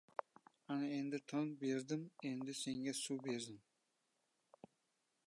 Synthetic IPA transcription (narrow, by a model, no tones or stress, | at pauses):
anaend̪ɪt̪ʰoŋbeɾd̪ɪmend̪ɪse̞ŋɡʲasubeɾd̪ɪm